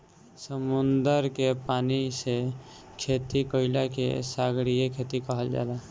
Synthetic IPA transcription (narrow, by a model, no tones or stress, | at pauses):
səmʊnd̪əɾkepaːnise | kʰeːt̪ikəɪlakḛsaːɡɽijekʰeːt̪ikəɦəld͡ʒa̰ːd̪a